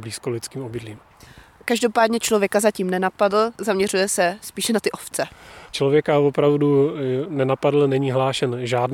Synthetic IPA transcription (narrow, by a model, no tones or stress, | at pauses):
bliːskolɪt͡skiːmobɪdliːm | kaʒdopaːdɲɛt͡ʃlo̞vjɛkazaciːmnɛnapadl̩zamɲɛr̝ujɛsɛspiːʃɛnat̪ɪʔoft͡sɛt͡ʃlovjɛkavopɾavdunɛnapadl̩nɛɲiːɦlaːʃɛnʒaːd